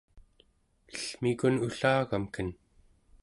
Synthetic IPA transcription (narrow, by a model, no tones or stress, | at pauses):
əɬmikunuɬaːɣamkən